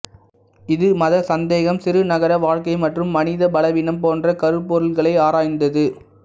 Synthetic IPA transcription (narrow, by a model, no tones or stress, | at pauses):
ɪðɯmɐðɐsɐnd̪eːɣɐmsɪɾɯnɐɣɐɾɐʋaːɻkɐɪmɐʈrɯmːɐnɪðɐbɐlɐʋɪnɐmpoːndrɐkɐɾɯpːɔɾɯlɣɐɭɐɪaːɾaːjnd̪ɐðɯ